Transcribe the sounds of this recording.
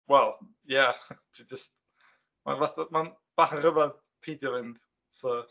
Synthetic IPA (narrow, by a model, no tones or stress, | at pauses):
wɛlˠ | jatʰwid͡ʒəst | ma̰nvaθaman | b̥aχərəvað | pʰejdjɔvɪnd̥ | sɔ